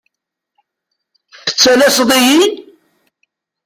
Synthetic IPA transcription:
θə̥t͡sːælæsðˤijin

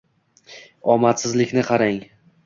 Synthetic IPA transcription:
ɒmat̪sɪzlɪkʲnɪqʰɑɾaŋ

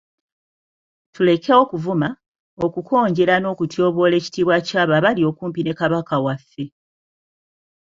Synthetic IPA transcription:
tule̞keo̞kuvuma | o̞kukʰo̞ːɲɟe̞ɾano̞ːkutjo̞ːβo̞ːle̞ːci̥tiːβwacaːβaβalio̞kuːmpine̞kaβakawafːe̞

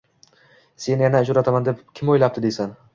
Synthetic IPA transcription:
se̞njanad͡ʒʊɾat̪ʰamand̪e̞pkʲʰɪmojlap̚t̪ɪd̪e̞san

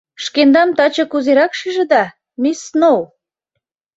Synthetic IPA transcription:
ʃkend̪ɑmt̪ɑt͡ɕɤ̆kuzeɾɑkʃiʒə̆d̪ɑ | misːnow

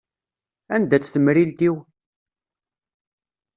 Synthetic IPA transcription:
ænd̪æt͡sːθəmɾilt̪iw

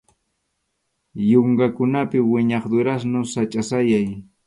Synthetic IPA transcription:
joɴɢɑkʊnapɪwɪɲɑχd̪ʊɾas̬nʊsat͡ʃʼasajaj

